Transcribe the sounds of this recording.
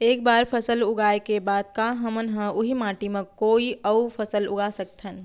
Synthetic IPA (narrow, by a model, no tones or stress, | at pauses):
eːk̚baːɾpʰəsəlʊɡaːekebaːd̪̚kaɦəmənɦə̃ʊɦimãːʈimẽkoːiəupʰəsəlʊ̰ɡasək̚t̪ɦən